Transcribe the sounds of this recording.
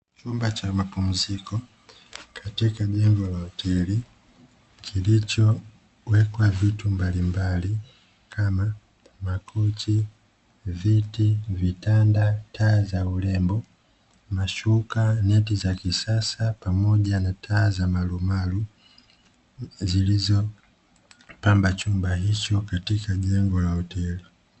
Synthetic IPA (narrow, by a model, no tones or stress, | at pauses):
t͡ʃumbat͡ʃamapum̩zikɔ | kʰatikaʄɛŋɡɔlautʰɛli | kʰilit͡ʃɔ | wɛkwavitumbalimbali | kʰama | makʰɔt͡ʃi | vitivitandatʰaːzaulɛmbɔ | maʃukanɛtizakisasapamɔʄanatʰaːzamalumalu | zilizɔ | pambat͡ʃumbaɦit͡ʃɔkatikaʄɛŋɡɔlahɔtɛli